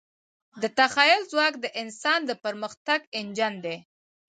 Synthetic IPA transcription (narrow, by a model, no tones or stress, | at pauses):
d̪ət̪axɑjʊlzwɑkd̪əʔɪnsɑnd̪əpəɾməxt̪aɡɪnd͡ʒand̪e